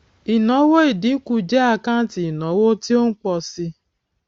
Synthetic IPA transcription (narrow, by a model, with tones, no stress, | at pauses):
i˨nɔ˨˦wo˦i˨dɪ˨˦ku˨d͡ʒe˦a˨ka˦n˦ti˨i˨nɔ˨˦wo˦ti˦o˦ŋ̩˦k͡pɔ˨sɪ˦